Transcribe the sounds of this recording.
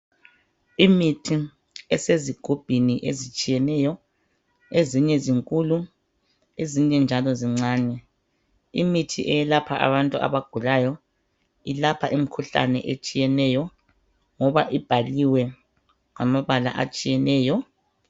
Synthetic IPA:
imitʰi | ɛseziɡ̥ʱub̥ʱiniʔezit͡ʃʼijɛnɛjɔ | eziɲɛziŋkʼuːlu | eziɲɛnd͡ʒʱalɔziŋ͡ǀaːɲɛ | imitʰiʔɛjɛlapʰaʔa̰βantʼua̰βaɡ̥ʱulajɔ | ilapʰaʔim̩kʰuɬa̰nɛ̰ʔet͡ʃʼijɛnɛjɔ | ŋɔβaʔib̥ʱaliwɛ | ŋamaβala̰ʔa̰t͡ʃʼijɛnɛːjɔ

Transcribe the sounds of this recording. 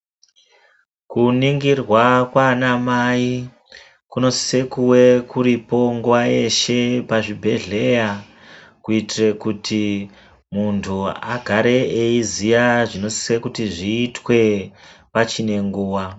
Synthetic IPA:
kuniŋɡirwakwanamai | kuno̞si̥se̞kuwe̞kuɾipo̞ŋɡuwae̞ʃe̞paʐibʱe̞ɮe̞ja | kuitire̞kutʰi | muntʰuaɡʱaɾe̞eizijaʐino̞si̥se̞kutiʐiːtwe̞ | pat͡ʃine̞ŋɡuːwa

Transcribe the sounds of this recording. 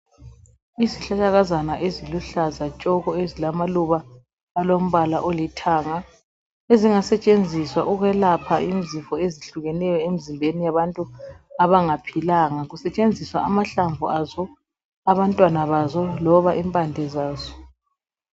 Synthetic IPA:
iziɬat͡ʃaɣazanaʔeziluɬazat͡ʃʼɔɣɔezilamaluβaː | lom̩βalaʔolitʰaːŋa | eziŋasɛt͡ʃʼend͡zʱiswaʔuɣɛlapʰaʔim̩zifɔeziɬuɣɛnɛjɔemizimbʱenijaβantʼuaβaŋapʰilaŋaɣusɛt͡ʃʼend͡zʱiswaamaɬaɱvʱuazɔ | aβantʼwanaβazɔlɔβaʔimpʼandʱɛzaːzɔ

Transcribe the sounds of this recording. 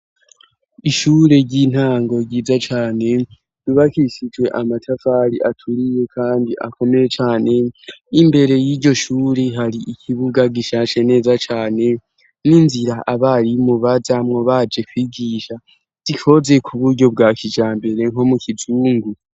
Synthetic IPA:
iʃuːɾe̞ɟin̥haːŋɡo̞ɾɟiːzat͡ʃaːne̞ | βiβakiʃid͡ʒwe̞ʔamatʰafaɾiʔatʰuɾije̞kʰaːndiʔa̰ko̞me̞je̞t͡ʃaːne̞imbe̞ɾe̞jiːɾɟo̞ʃuːɾe̞ɦaɾiʔikʰiβuɡaɡiʃaːt͡ʃe̞ne̞ːzat͡ʃaːne̞ | ninziɾaʔaβaɾimuβazamŋoβad͡ʒe̞kwiːɡiːʃa | z̥iko̞ze̞kʰuβuɾɟo̞b̚ɡaːkid͡ʒaːmbe̞ɾe̞ŋ̥o̞mukʰizuːŋɡu

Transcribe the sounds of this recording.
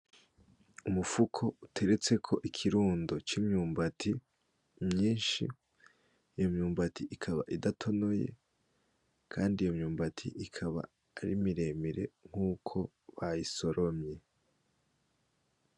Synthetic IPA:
umufukʰo̞utʰe̞ɾe̞t͡se̞kʰo̞ʔikʰiɾuːndo̞t͡ʃimɲuːmbatʰi | mɲiːnʃḭː | jomɲuːmbatiʔikʰaβa̰ʔidatʰo̞no̞je̞̰ | kʰaːndijomɲuːmbatʰḭʔikʰaβa̰ː | ɾḭmiɾe̞ːmiɾe̞̰ŋ̥uːkʰo̞ | βajiso̞ɾʔo̞mɲe̞

